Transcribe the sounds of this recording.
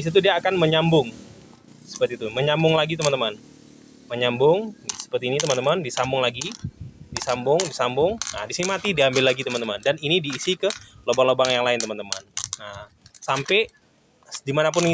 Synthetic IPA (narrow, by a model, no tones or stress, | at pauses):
is̬it̪̬udiaːkanməɲambʊŋ | sə̥pərt̪it̪uməɲambʊŋlaɡit̪əmant̪əman | məɲambʊŋsə̥pərt̪iːnit̪əmant̪əmandisambʊŋlaɡidisambʊŋdisambʊŋnadisinimat̪idiambɪlːaɡit̪əmant̪əmandaninidiːsikəlobaŋlobaŋjaŋlaɪnt̪əmant̪əma̰nə | sampɛ | dimanap̬ʊn